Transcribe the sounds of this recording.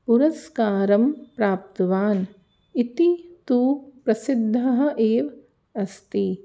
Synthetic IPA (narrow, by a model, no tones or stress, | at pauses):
puɾɐskaːɾɐmpɾaːp̚t̪ɐʋaːn | it̪it̪uːpɾɐsid̪ʱːɐɦɐ̆ʔeːʋ | ɐst̪i